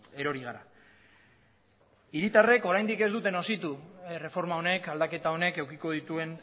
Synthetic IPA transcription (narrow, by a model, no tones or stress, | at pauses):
e̞ɾo̞ɾiɣaɾa̰ | iɾit̪are̞ko̞ɾajnd̪ike̞zd̪ut̪e̞no̞sit̪ure̞fo̞ɾmao̞ne̞kald̪ake̞t̪ao̞ne̞ke̞wkiko̞ð̞it̪ue̞n